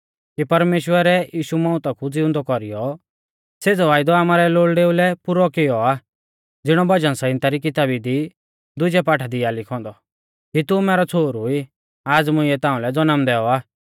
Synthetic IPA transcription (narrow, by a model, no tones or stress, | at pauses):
kipɐɾmeːʃwəɾɛjiːʃumɔ̃ːʊ̃t̪akʰud͡zɪʊ̃nd̪ɔkɔɾijɔ | seːd͡zɔʋaːɪd̪ɔaːmaːɾɛloːɭɖeːulɛpʊɾɔkɪjɔaː | d͡zɪɽ̃ɔbɐd͡ʒənsaɪ̃nt̪aɾikɪt̪aːbid̪i | d̪ʊd͡ʒɛpaːʈʰad̪ɪalɪkʰɔ̃ːnd̪ɔ | kit̪ʊmɛːɾɔt͡sʰoːɾʊi | aːd͡zmʊ̃ɪɛt̪ãːũlɛd͡zɔnəmd̪ɛːɔaː